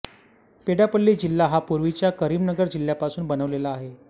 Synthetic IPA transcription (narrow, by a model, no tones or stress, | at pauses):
peɽapəlːiːd͡ʑilːaɦapuɾʋit͡ɕjakəɾiːmnəɡəɾd͡ʑilːjapasuːnbənəʋlelaːɦe